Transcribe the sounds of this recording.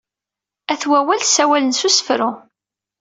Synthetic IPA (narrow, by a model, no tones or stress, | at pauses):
æθwæwælsæwælənsusə̥fɾʊ